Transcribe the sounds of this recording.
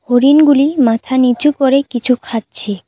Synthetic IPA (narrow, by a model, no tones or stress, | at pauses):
hoɾinɡulimat̪ʰanit͡ɕukoɾekit͡ɕʰukʰatt͡ɕʰe